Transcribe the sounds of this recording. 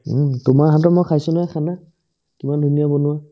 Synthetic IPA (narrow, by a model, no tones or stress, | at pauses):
tʊmaɹɦat̬ɔmɔjkʰajsʊnaakʰana | kimandʱunijabonʊwa